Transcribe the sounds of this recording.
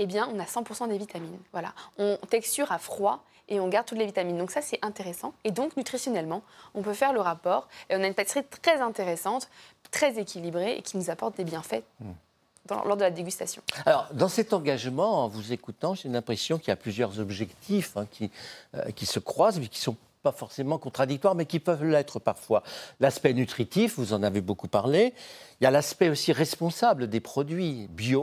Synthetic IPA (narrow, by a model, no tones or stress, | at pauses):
ebjɛ̃ɔ̃nasɑ̃puʁsɑ̃d̪evit̪aminvwala̰ɔ̃t̪ɛkst̪yʁafχwa | eɔ̃ɡaʁd̪̚t̪ut̪levit̪amind̪ɔ̃ksasɛʔɛ̃t̪eʁesɑ̃ed̪ɔ̃knyt̪χisjɔnɛlmɑ̃ɔ̃pøfɛʁləʁapɔːʁeɔ̃naynpat̪i̥sʁit̪χɛzɛ̃t̪eʁesɑ̃t̪ːχɛzekʲilibʁeʔḛkʲinuzapɔʁt̪̚d̪ebjɛ̃fɛ | d̪ɑ̰̃lɔʁd̪əlad̪eɡʲyst̪asjɔ̰̃alɔʁd̪ɑ̃sɛt̪ɑ̃ɡaʒmɑ̃ɑ̃vuzekut̪ɑ̃ʒelɛ̃pχesjɔ̃kiljaplyzjœʁzɔbʒɛkt̪ʰifɛ̃kʲʰiø̰kʲisəkχwazmɛkʲi̥sɔ̃ | pafɔʁsemɑ̃kɔ̃t̪χad̪ik̚t̪waʁmɛkʲipœvlɛt̪χəpaʁfwalaspɛnyt̪χit̪ifvuzɑ̃navebokupaʁleiljalaspɛosiʁɛspɔ̃sabləd̪epχɔd̪ɥibjo